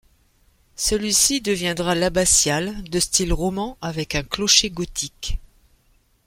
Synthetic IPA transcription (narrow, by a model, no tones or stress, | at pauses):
səlɥisid̪əvjɛ̃d̪ʁalabasjald̪əst̪ilʁɔmɑ̃avɛkɛ̃klɔʃeɡɔt̪ʰik